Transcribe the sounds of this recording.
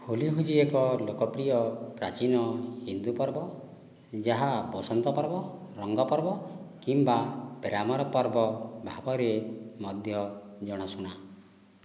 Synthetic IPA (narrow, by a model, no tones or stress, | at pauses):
huliɦud͡ʒiekɔlokɔpɾijɔpɾat͡ʃinɔhind̪upɔɾbɔ | d͡ʒaɦapɔsɔnt̪ɔpɔɾbɔɾɔŋɡɔpɔɾbɔkimbapeɾamɔɾɔpɔɾbɔbʱabɔɾemɔd̪ʱjɔd͡ʒɔɽ̃asuɽ̃a